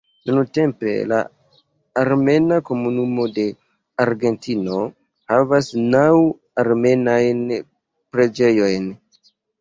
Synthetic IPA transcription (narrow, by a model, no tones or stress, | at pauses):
nunute̞mpe̞̰la̰ː | ɾme̞nako̞munumo̞de̞ | aɾɡe̞ntino̞ | havasnaw | aɾme̞najn | pɾe̞d͡ʒe̞jo̞jn